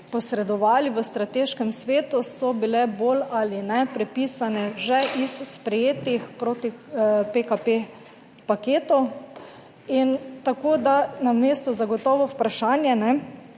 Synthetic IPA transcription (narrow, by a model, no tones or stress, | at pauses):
pɔsɾɛd̪ɔʋaːliʋəst̪ɾat̪eːʃkɛmsʋeːt̪usɔbilɛboːlalinɛpɾɛpiːsanɛʒɛʔisspɾɛjeːt̪ixpɾoːt̪ipekape | pakeːt̪u | int̪akoːd̪anameːst̪ɔzaɡɔt̪ɔːʋɔpɾaʃaːnjɛnɛ